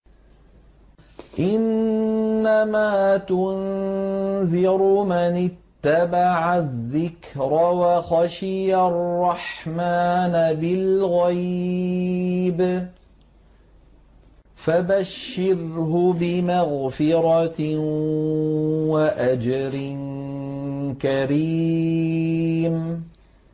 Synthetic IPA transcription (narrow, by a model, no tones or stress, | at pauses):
ʔɪnː | amaːt̪ʊn | ðɪɾʊmanɪt̪ːabaʕaðːɪkɾawaxaʃɪjarːɑħmaːnabɪlɣaj | b | fabaʃːɪɾhʊbɪmaɣfɪɾˤɑ | waʔad͡ʒaɾɪn | kaɾiː | m